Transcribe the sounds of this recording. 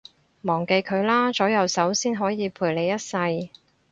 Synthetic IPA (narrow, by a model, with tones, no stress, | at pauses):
mɔː˨˩ŋke˧jkʰɵ˨˧ɥlaː˥t͡sɔː˨˥jɐ˨˧wsɐ˨˥wsiː˥nɦɔː˨˥jiː˨˧pʰuː˨˩jle˨˧jɐ˥t̚sɐ˧j